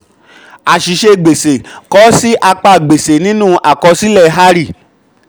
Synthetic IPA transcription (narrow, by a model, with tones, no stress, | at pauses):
a˨ʃi˨ʃe˧ɡ͡be˨se˨kɔ˨˦si˦ʔa˧k͡pa˧˨ɡ͡be˨se˨nĩ˦nũ˦ʔa˦˨kɔ˧si˦lɛ˦˨˦ɦa˦ɾi˦˨